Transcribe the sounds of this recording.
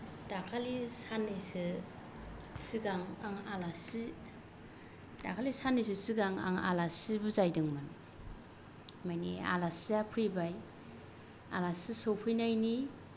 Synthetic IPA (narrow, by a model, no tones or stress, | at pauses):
d̥akʰalisanːɯsɯ | siɡaŋaŋalasi | dakʰalisanis̬ɯsiɡaŋa̰ŋa̰lasibuzajdɯŋman | majnḭa̰lasiapʰɯjbaj | a̰lasisopʰɯjnajni